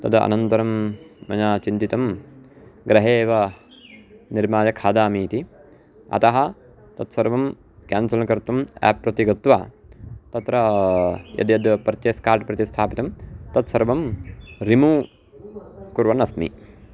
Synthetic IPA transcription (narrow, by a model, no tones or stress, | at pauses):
t̪ɐd̪ɐɐ̰nɐnt̪ɐɾɐmːɐ̰ɲaːt͡ʃint̪it̪ɐm | ɡɾɐɦeːʋɐ | niɾmaːjɐkʰaːd̪aːmiːt̪i | ɐ̰t̪ɐɦɐ | t̪ɐt̪sɐɾʋɐm | kaːnsɐlnɐkɐɾt̪ɐmɛ̰ːpːɾɐt̪iɡɐt̪ʋa̰ː | t̪ɐt̪ɾɐ | jɐ̰d̪jɐd̪pɾɐt̪jeːskaːɾʈpɾɐt̪ist̪ʰaːpit̪ɐmt̪ɐt̪sɐɾʋɐmɾimuː | kuɾʋɐnɐsmḭ